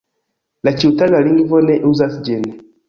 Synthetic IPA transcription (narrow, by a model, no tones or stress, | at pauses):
lat͡ʃiutaɡaliŋɡivɔnɛʔuzasd͡ʒɛnɛ